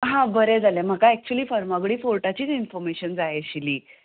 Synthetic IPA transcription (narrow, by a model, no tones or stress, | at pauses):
ɦãbəɾed͡zʱalem̤əkaɛk̚t͡ɕuəliːfəɾmaɡɽiːfoɾʈat͡ɕiːt͡sinfɔɾmeɕənd͡zajeɕiliː